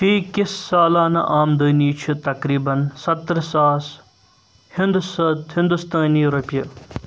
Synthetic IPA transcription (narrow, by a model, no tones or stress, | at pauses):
t̪iːkisːaːlaːnɐ̰ʔaːmd̪əːniːt͡ʃʰut̪ɐkɾiːbɐnsɐt̪ːɾsaːs | hind̪usd̪hɪnd̪ust̪aːniɾɐpjɐ